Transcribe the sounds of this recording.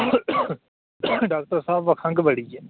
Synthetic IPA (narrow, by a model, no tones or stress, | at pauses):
ɖaːk̚ʈəɾsaːbʋəkʰə̃ŋɡbəɽiɛː